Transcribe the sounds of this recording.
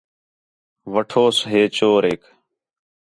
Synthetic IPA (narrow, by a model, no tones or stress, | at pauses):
ʋəʈʰoːsɦeːt͡ʃoːɾeːk